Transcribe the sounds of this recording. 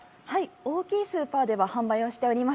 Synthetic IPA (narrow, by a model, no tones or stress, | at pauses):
haio̞ːkʲiːsɨːpaːd̪e̞βahãmbaijo̞ɕi̥t̪e̞o̞ɾʲimas